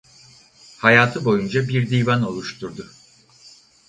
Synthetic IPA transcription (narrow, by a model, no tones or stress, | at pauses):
hajaːt̪ʰɯbo̞jund͡ʒabiɾd̪iːvano̞lˠuʃt̪ʰuɾd̪ʊ